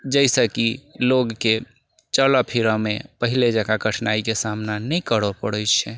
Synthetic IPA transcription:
d͡ʒəɪsəkiloɡke | t͡ʃələpʰiɾəmepəɦiled͡ʒaɡaɡəʈʰnaikesamnanɛikəɽpəɽəɪt͡ʃʰɛ

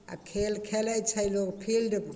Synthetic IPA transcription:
a̰kʰelkʰelajt͡ʃʰajlɔkpʰildɯb

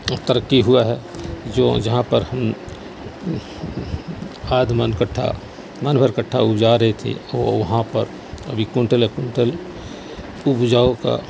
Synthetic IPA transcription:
t̪əɾəkːiɦuaɦɛd͡ʒoːd͡ʒɐɦãpəɾhɐm | aːd̪mənkəʈʰːa̰ | mənbʱəɾkəʈʰːaʊpd͡ʒaːɾɐɦet̪ʰḛɔːɾʋɐɦãpɐɾ | ɐ̰bʱikʊɳʈəlekʊɳʈəl | ʊpd͡ʒaːoka̰

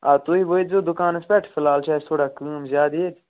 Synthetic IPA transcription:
aːt̪oːiːʋoezoːd̪ʊkaːnespɛʈʰfʰɪlaːlt͡ʃʰaːst̪ʰoːɽaːkũːmzjaːd̪eːt̪

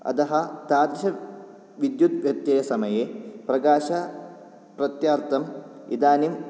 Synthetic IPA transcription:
ɐ̰d̪ɐɦɐt̪aːd̪ɾiʃɐ | ʋid̪jut̪ʋjɐk̚t̪jejɐsɐmɐjeːpɾɐɡaːʃɐ | prɐt̪jaːɾt̪ɐmid̪aːnim

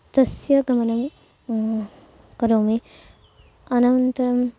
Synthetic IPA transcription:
t̪ɐsjɐɡɐmɐnɐm | kɐɾoːmi | ɐnɐwnt̪ɐɾɐm

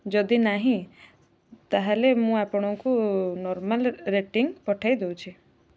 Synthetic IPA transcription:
d͡ʒɔd̪inaɦĩ | t̪aɦalemũapɔɽ̃ɔŋkunɔɾmalɾeʈiŋpɔʈʰajd̪ewt͡ʃʰi

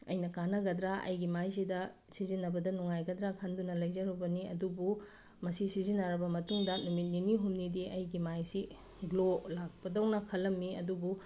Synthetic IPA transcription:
ɐ̰jnɐkanɐɡɐdɾaʔɐ̰jɡimajs̬idɐsizinːɐbɐdɐnuŋajɡɐdɾakʰɐndunɐlɐjzɐɾubɐniɐ̰dubu | mɐsisizinɐɾɐbɐmɐtuŋdɐnumit̚niniɦumnidiʔɐjɡimajsi | ɡlolak̚pɐdɐwnɐkʰɐlːɐmːiɐ̰dubu

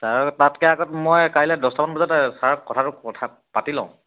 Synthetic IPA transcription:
tatatkɛaɡɔtmɔjkaɹilɛdɔstɔpanbɔzɔtɛsaɹɔk̚kɔtʰaɾʊɔtʰa | patilɔ̰̃ʊ̃

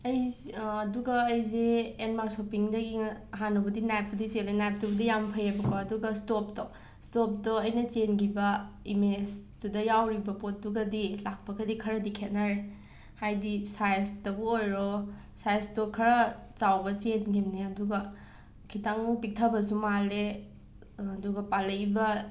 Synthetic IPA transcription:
ɐjːduɡɐːjz̬eːnmaɾsopiŋdɐɡiɦanubɐdinajp̚ːɐdiselenajp̚tubɐdijampʰɐjabɐkoɐduɡɐstop̚to | stop̚toɐjnɐt͡ʃenɡibɐimestudɐjawɾibɐpot̚duɡɐdilak̚pɐɡɐdikʰɐɾɐdikʰet̚naɾe | hajdisajstɐbuojɾɔ | sajstokʰɐɾɐt͡ʃawbɐt͡ʃenɡimneɐduɡɐ | kʰitaŋpik̚tʰabɐsumaleː | duɡɐpalɐjbɐ

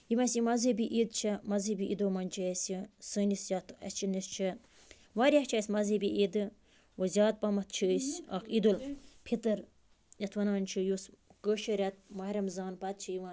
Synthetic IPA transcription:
jimɐsimɐzɐbʲiʔid̪t͡ʃʰimɐzɐbiʔḭd̪oːmɐnʲt͡ʃʰɐsisəːnisjɐt̪ʰɐ̰st͡ʃʰinist͡ʃʰi | ʋaɾʲɐht͡ʃʰɐːsʲmɐzɐbʲiʔid̪ɨ | ʋɐzʲaːt̪̚pɐmɐt̪̚ʰt͡ʃʰəsʲɐ̰kʰid̪ulpʰit̪ɐɾ | jɐt̪ʰʋɐnaːnʲt͡ʃʰijuskəːʃɐɾʲɐt̪̚mɐɾɐmzaːnpɐt̪̚t͡ʃʰijiʋã

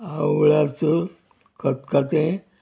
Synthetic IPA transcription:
awɭat͡sə | kət̪kat̪ẽ

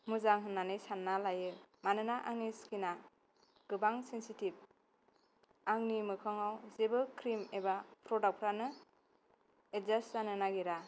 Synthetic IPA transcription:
muzaŋɦɯnːanɯjsanːalajɯmanɯnaʔaŋniskina | ɡ̥ɯbaŋsensitib̚ | aŋnimɯkʰɔŋawzebɯkʰɾimebapʰɾɔdak̚pʰɾanɯ | et̚zaszanɯnaɡiɾa

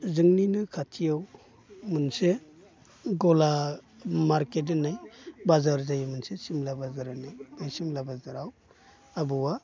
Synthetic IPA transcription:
zɯŋninɯkʰatʰijaw | mɯnse | ɡɔla | maɾket̬ɯnajbazaɾzajamɯnsesimlabazɯɾanajmɯjsimlabazɯɾaw | abɯwa

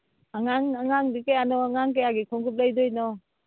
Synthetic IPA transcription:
aŋaŋaŋaŋdikejanɔaŋaŋkejaɡikʰɔŋɡup̚lajdɔjnɔ

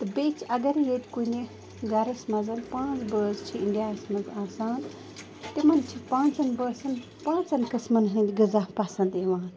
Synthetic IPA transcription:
t̪ɨbeːt͡ʃʰɐɡɐɾjeːt̪ʲkunʲe | ɡɐɾɐsmɐzɐnpãːt͡sbəːst͡ʃʰiiɳɖijaːsmɐzaːsaːn | t̪imɐnt͡ʃʰipãːnt͡sɐnbəːsɐn | pãːt͡sɐnkɨsmɐnɦĩnd͡ʒʲɡɨzaːpɐsɐnd̪iʋaːn

